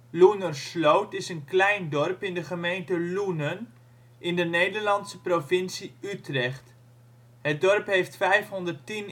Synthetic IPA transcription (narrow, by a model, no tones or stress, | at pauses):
lunənslowtɪsənklɛjndɔrpɪndəχəmejntəlunən | ʔɪndənejdəɹlɑntsəprovɪnsiytrɛχt | ɦədɔrpɦejftfɛjfɦɔndərtin